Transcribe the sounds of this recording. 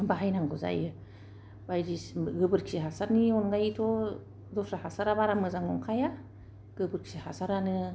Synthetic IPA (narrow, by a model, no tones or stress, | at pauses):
baɦajnaŋɡɔza̰jɯ | bajdisɡɯbɯɾkʰiɦasaɾniɔnɡajitʰɔ | dɔsɾahasaɾaβaɾamɯzaŋɔŋkʰaja | ɡ̥ɯbɯɾkʰsihasaɾanɯ